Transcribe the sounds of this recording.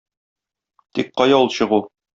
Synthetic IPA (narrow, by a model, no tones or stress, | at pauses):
t̪ik̚qɒjɑulˠɕɤ̆ʁu